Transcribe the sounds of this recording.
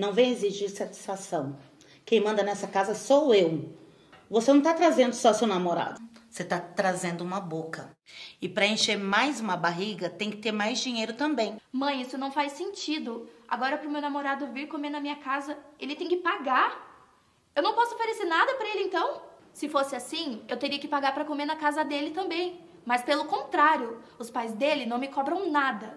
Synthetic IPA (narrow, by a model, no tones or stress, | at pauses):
nɐ̃w̃vẽj̃eziʒiɾsat͡ʃi̥sfasɐ̃w̃ | kẽj̃mɐ̃nd̪ɐnɛsɐkazɐsowew | vosenɐ̃w̃t̪at̪ɾazẽnd̪ʊsɔsewnamoɾa̰d̪ʊset̪at̪ɾazẽnd̪ʊũmɐbokɐɪpɾɐẽʃeɾmajzũmɐbaɦiɡɐt̪ẽj̃kɪ̥t̪eɾmajzd͡ʒĩɲejɾʊt̪ɐ̃mbẽj̃mɐ̃j̃isʊnɐ̃w̃fajsẽnt͡ʃid̪ʊa̰ɡɔɾɐpɾʊmewnamoɾad̪ʊviɾkomeɾnɐmĩɲɐkazɐelɪt̪ẽj̃kɪpaɡaɾ | ewnɐ̃w̃pɔsʊofeɾeseɾnad̪ɐpɾɐelɪẽnt̪ɐ̃w̃ | sɪfosɪasĩewt̪eɾiɐkɪpaɡaɾpɾɐkomeɾnɐkazɐd̪elɪt̪ɐ̃mbẽj̃ | mɐspelʊkõnt̪ɾaɾjʊ | ʊspajzd̪elɪnɐ̃w̃mɪkɔbɾɐ̃w̃nad̪ɐ